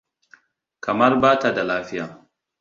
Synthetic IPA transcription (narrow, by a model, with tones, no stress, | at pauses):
kɐ˨mɐ˦rbaː˦ta˨da˨laː˦ɸɪ˦jaː˨